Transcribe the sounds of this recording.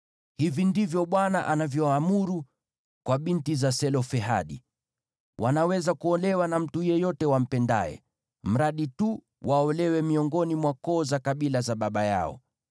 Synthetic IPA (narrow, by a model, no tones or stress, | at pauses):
hivindivjɔɓwanaʔanavjɔaːmuɾu | kwaɓintizasɛlɔfɛɦa̰ɗḭ | wʔanawɛzakuɔlɛwanam̩tujɛjɔtɛwam̩pɛnda̰ɛ̰ | m̩ɾaɗitu | wʔaɔlɛwɛmiɔŋɡɔnimwakɔːzakaɓilazaɓaɓaja̰ɔ̰